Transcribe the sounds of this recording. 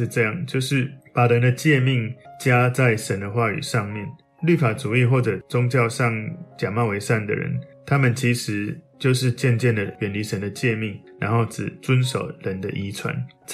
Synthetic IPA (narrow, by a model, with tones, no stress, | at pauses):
ʈ͡ʂɤ˥˧jɑ˥˩ŋt͡ɕjo˥˧ʊʂɻ̩˥˩pa˨˩ɻə˧˦nd̪ə˧t͡ɕjɛ˥˧mi˥˩ŋt͡ɕja˦t͡sa˥˩ɪʂə˦˥nd̪ə˧xwa˥˩y̰˨˩ʂɑ˥˧ŋmjɛ˥˩˨n | ly˥˩fa˨˩t͡su˨˩i˥˧xwɔ˥˩ʈ͡ʂɤ˨˩t͡sʊ˦ŋt͡ɕjɑ˥˧ʊʂɑ˥˨ŋt͡ɕja˨˩mɑ˥˩ʊwe˧˥ɪʂa˥˩nd̪ə̰˨ɻə̰˧˦nt̪ʰa˦˥mə˨nt͡ɕʰi˨˧˥ʂɻ̩˨˧˥t͡ɕjo˥˧ʊʂɻ̩˥˧t͡ɕjɛ˥˧nt͡ɕjɛ˥˩nd̪ə˩ɥɛ˨˩nli˧˥ʂə˧˦nd̪ə˨t͡ɕjɛ˥˧mi˥˩ŋɻa̰˧˦nhxo˥˩ʊt͡sɻ̩˨˩t͡swə˦nʂo˨˩ʊɻə˧˦nd̪ə˧ʔi˧˥t͡sʰwa̰˧˦n